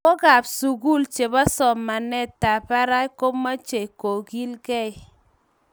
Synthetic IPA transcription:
kɔ˦ɡa˨psu˨ɡu˦˨lt͡ʃe˨ba˦sɔ˨mːa˨nɛ˦ta˨pa˦ɾa˦ko˦ma˦t͡ʃe˨ko˨ɡi˦lkɛ˦ɪ˨˦

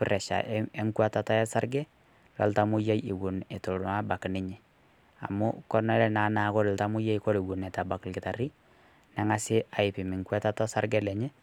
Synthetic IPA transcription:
pɪ˦rʔɛ˨ʃa̰˨ʔɛ˦ŋkwa˦ta˨ta˦jɛ˦sa˦ɾɡɛ˦ | lɔ̰˨lta˦mʊ˦ja˦jɪ˨wu˨ne˨to˨la˦ba˨knɪ˦ɲɪ˨ | a̰˨mu˦kɔ˦na˦lɛ˦na˨˦na˦kɔ˦ɾɪ˨lta˦mʊ˦je˦ikɔ˦ɾi˨wu˨nɛ˨ta˨ba˨klkɪ˨ta˨ri˦ | nɛ˦ŋa˦sɪ˦a˨ɪ˨pɪ˨mɪ˨ŋkwa˦ta˦tɔ˦sa˦rɡɛ˦lɛ˨ɲɛ˦

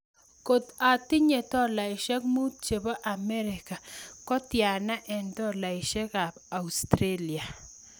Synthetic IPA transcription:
ko˨t̪a˨tɪ˦ɲe˨tɔ˦la˨ɪ˨ʃɛ˦kmu˦t̚t͡ʃe˨ba˦ʔa˨mɛ˦ɾɪ˨ka˨kɔ˦tja˨na˦ʔɛ˨ntɔ˦la˨ɪ˨ʃɛ˦ka˨ba˨u˨stɾe˦li˨a˨

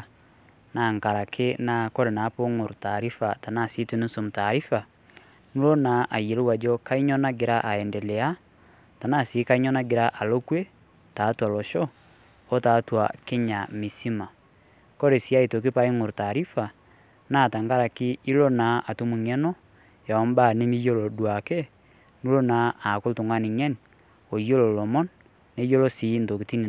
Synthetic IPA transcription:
na˨ŋka˨ɾa˨kʰe˦na˨˦kɔ˦ɾe˨na˨˦po˦ŋo˨ɾo˨ta˨ɾi˦fa˨ta˨na˦˨si˨˦te˦ne˦so˨mu˨ta˨ɾi˦fa˨ | nu˦lɔ˦na˨ʔa˨jɛ˨lo˦wa˨d͡ʒɔ˦ka˦i˦ɲɔ˦na˦ɡe˨ɾa˦ʔa˨ɛ˨ndɛ˨lɛ˨a˦ | ta˨na˦˨se˨˦ka˦i˦ɲɔ˦na˦ɡe˨ɾa˦ʔa˨lɔ˦kwe˦ | ta˨˦twa˨lɔ˨ʃɔ˦ | ɔ˦ta˨˦twa˨ke˦ɲa˨mi˨si˦ma˨ | kɔ˦ɾe˨si˨a˦i˨to˨k̬e˦pa˦i˦ŋo˨ɾta˨ɾi˦fa˨ | na˦˨ta˨ŋɡa˦ɾa˨ki˦i˦lo˦na˨˦ʔa˨to˦mu˨ŋɛ˦nɔ˦ | ja˨ɔ˨m˦ba˦˨ne˦mi˦jo˦lɔ˨dwa˨ke˦ | nu˦lo˦na˨˦a˨ko˦lto˨ŋa˦ni˨ɲɛ˦n | o˨jo˦lɔ˨lɔ˨mɔ˦nː | e˦jo˦lɔ˦si˨˦ndo˨ke˨ti˦n˨

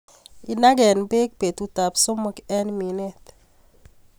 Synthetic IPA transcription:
i˨na˦ɡɛ˨nbe˦k̚pe˨t̪u˦t̪a˨pso˦mo˦kɛ˦nmi˨ne˦t̪

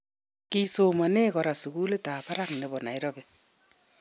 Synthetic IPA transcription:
ki˦so˨ma˨ne˦kɔ˨ɾa˨su˨ku˦le˦ta˨pa˦ɾa˦ŋne˨βɔ˨na˨e˦ɾɔ˦βe

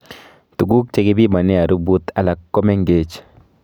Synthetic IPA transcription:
tu˨ɡu˦k̚t͡ʃe˦ɡɪ˦bi˦ma˨ni˦a˨ɾu˦bu˦t̪ʰa˨la˨kːɔ˦mɛ˦ŋɡe˦t͡ʃ

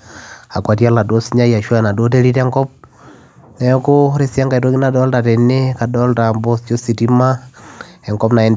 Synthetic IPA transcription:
a˨kwa˨tia˦la˨do˦siɲa˦ja˨ʃwa˦na˨do˦t̬e˦ɾi˦tɛ˦ŋkɔp̚ | nɛ˨ɔ˦koɾe˨sja˦ŋɡa˨i˨to˦ki˦na˨dɔ˦lta˨te˨ne˦ka˨dɔ˦ltambɔ˦st͡ʃo˦si˨tima | ɛ˨ŋkɔpna˨ɛ˦nd

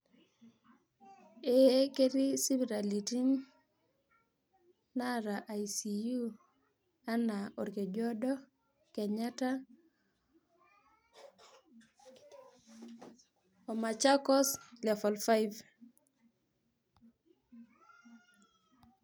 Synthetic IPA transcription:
e˨˦ke˦ɾi˦si˦bɾa˨li˨ti˦n | na˦ɾa˨ʔa˨jsi˨ju˦ | a˦na˨o˨ɾke˨d͡ʒɔ˦dɔ˦ | kɛ˨ɲa˦ta˦ | ɔ˨ma˨t͡ʃa˦kɔ˦slɛ˨fɔ˨lfa˦jv

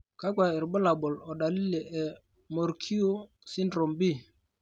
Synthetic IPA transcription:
ka˦ɡʷwa˨ɛ˨ɾbɔ˦la˨bɔ˨lɔ˨ɗa˨li˦le˨ɛ˨ | mo˨ɾkʰi˦o˦ | si˦ndɾo˨mbi˦˨

